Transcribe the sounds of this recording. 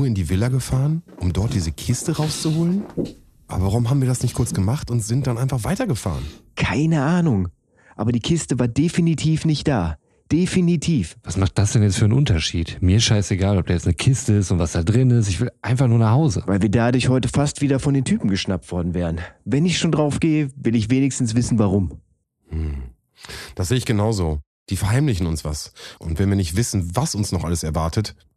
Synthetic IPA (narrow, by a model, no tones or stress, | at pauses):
uɐɪndiːvɪlɐɡəfaːʁənʔʊmdɔɐt̚d̥iːzəkʰɪstəʁaʊst͡suhoːlən | ʔa̰bɐvaʁʊmhaːbm̩viːɐdasnɪçt̚kʰʊɐt͡ssɡ̥əmaχtʊntz̥ɪnt̚d̥anʔaɪnfaχv̥aɪtɐɡəfa̰ːʁənkʰaɪnəʔaːnʊŋ | ʔaːbɐdiːkʰɪstəvaːɐdefinitʰiːfnɪçt̚d̥aː | d̥efinitʰiːfv̥asmaχt̚d̥asd̥ɛnjɛt͡stfyːənʔʊntɐʃḭːtmiːɐɪsʃaɪseɡaːlɔp̚d̥aːjɛt͡snəkʰɪstəɪstʊntv̥asd̥aːdʁɪnɪs̬tɪçv̥ɪlʔaɪnfaχnuːɐnaχhaʊzə̰vaɪlviːɐdadʊɐçhɔʏtəfastv̥iːdɐfɔndeːntʰyːpm̩ɡəʃnap̚tv̥ɔɐdn̩vɛːʁənvɛnɪçʃoːndʁaʊfɡ̥eːəvɪlɪçv̥eːnɪçstn̩sv̥ɪsn̩vaʁ̞ʊm̩ | d̥asz̥eːəɪçɡ̥ənaʊzoː | d̥iːfɛɐhaɪmlɪçn̩ʊnsv̥a̰sʔʊntv̥ɛnviɐnɪçtv̥ɪsn̩vasʊnsnɔχʔa̰ləsɛɐvaɐtʰət